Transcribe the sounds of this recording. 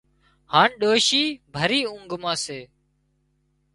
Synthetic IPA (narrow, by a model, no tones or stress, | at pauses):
haːɳɗoːʃiːbʱəɾiːʊ̃ŋɡmãːseː